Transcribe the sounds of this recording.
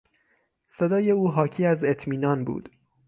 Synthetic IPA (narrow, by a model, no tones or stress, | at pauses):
se̞d̪ɒːje̞uːɦɒːcʰiːæze̞t̪ʰmiːnɒːnbṵːd̪̥